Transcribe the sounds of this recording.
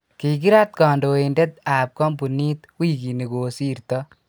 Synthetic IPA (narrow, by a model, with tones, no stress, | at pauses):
ki˨ki˦ɾa˦t̪̚ka˨ndo˨ende˦t̪a˨p̚kɔ˦mpu˨ni˦t̪wi˦ki˨ni˨ko˨si˦ɾt̪ɔ